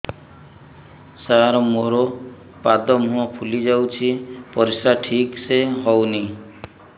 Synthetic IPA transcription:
saɾmoɾo | pad̪ɔmũɔ̃pʰulid͡ʒawt͡ʃʰipɔɾisaʈʰikseɦɔwni

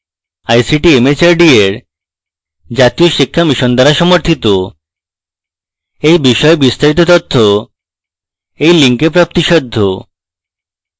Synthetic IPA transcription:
ajsiʈiemet͡ɕaɾɖieɾ | d͡ʑat̪ijoʃikʰːamiʃɔnd̪aɾaʃɔmoɾt̪ʰit̪o | ejbiʃɔebist̪aɾit̪̬ot̪ɔt̪ʰːo | ejliŋkepɾap̚t̪iʃɔd̪ʱːo

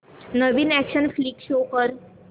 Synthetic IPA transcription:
nəʋiːnækɕənfliːkɕokəɾ

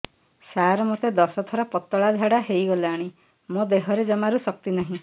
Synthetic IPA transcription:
saɾɔmot̪ed̪ɔsɔt̪ʰɔɾɔpɔt̪ːɔɭad̪ʱaɽaɦejɡɔlaɽ̃ĩ | mod̪eɦɔɾed͡ʒɔmaɾusɔk̚t̪inaɦĩ

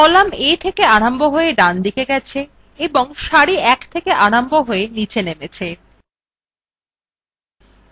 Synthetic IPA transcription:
ɔlamet̪ʰekeaɽamboɦoeɖand̪ikeɡɛt͡ɕʰe | eboŋʃaɽiɛkt̪ʰekeʔanamboɦoenit͡ɕʰenemet͡ɕʰe

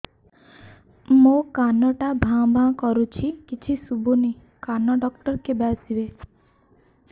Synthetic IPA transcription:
mokanɔʈabʱãbʱãkɔɾut͡ʃʰikit͡ʃʰisubuni | kanɔɖɔkʈɔɾkebasibe

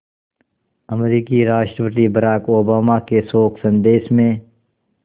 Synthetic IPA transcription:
əmɾiːkiɾaːʃʈɾəpəʈ̪ibəɾaːkoːbaːmakesoːkʰsə̃nd̪eːʃmẽː

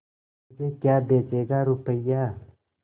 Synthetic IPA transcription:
d͡ʒekjaːbeːt͡ʃeːɡaɾʊpəjaː

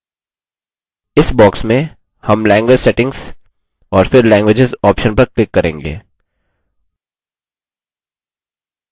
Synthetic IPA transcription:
ɪsbɔːksmẽ | hɐmlɛ̃ːŋɡʋeːd͡ʒsɛʈɪ̃ŋz̥ | ɔːɾfɪɾlɛ̃ːŋɡwʋed͡ʒɪzɔːpʃə̃npɐɾklɪkːɐɾḛ̃ːŋɡḛː

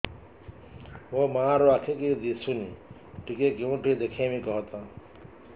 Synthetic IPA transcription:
ʋomãaɾoakʰeked̪isuni | ʈikekeũʈʰid̪ekʰemĩkɔɦt̪ã

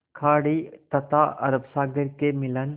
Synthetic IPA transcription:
kʰaːɽit̪ɐt̪aɐ̰ɾəbsaːɡəɾkemɪlən

